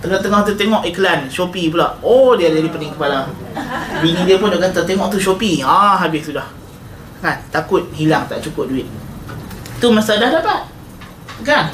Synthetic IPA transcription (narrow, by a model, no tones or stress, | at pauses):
t̪əŋɔt̪əŋɔht̪ut̪eŋɔʔikəlanʃopip̬ulaʔodiadadipənɪŋkəpala | binidiapʊndaʔkat̪at̪eŋɔʔt̪uʃopiaɦabɪssudah | kant̪akʊt̪̚ɦilaŋt̪a̰ʔt͡ʃukʊp̚duɪt̪̚ | t̪umasadahdapat̪̚ | kan